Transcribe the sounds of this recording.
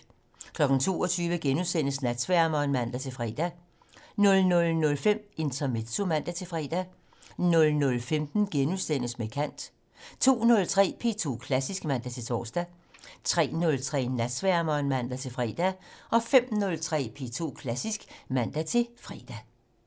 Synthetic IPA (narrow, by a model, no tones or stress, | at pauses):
kʰlɒ̽ɡ̥n̩t͡sʰo̝̰ːɒt͡sʰyːʋəɡ̥enusen̰əsnæd̥sʋæɐ̰mɒnmæn̰d̥æt͡sʰe̝fʁɛ̰ːd̥æ | nɔ̽lnɔ̽lnɔ̽lfem̰e̝nt͡sʰɐme̝d̥somæn̰d̥æt͡sʰe̝fʁɛ̰ːd̥æ | nɔ̽lnɔ̽lfemd̥n̩ɡ̥enuðˠsen̰əsmekʰæn̰d̥ | t͡sʰo̝̰ːnɔ̽lt͡sʰʁɛ̰ːpʰe̝̰ːt͡sʰo̝̰ːkʰlæsisɡ̥mæn̰d̥æt͡sʰe̝t͡sʰɒ̰ːsd̥æ | t͡sʰʁɛ̰ːnɔ̽lt͡sʰʁɛ̰ːnæd̥sʋæɐmɒnmæn̰d̥æt͡sʰe̝fʁɛ̰ːd̥æɒ̽fem̰nɔ̽lt͡sʰʁɛ̰ːpʰe̝̰ːt͡sʰo̝̰ːkʰlæsisɡ̥mæn̰d̥æt͡sʰe̝fʁiːd̥æ